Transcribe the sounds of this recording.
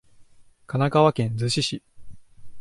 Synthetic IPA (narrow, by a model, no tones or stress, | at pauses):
kanaɡaβakẽ̞nd͡zɨɕiɕi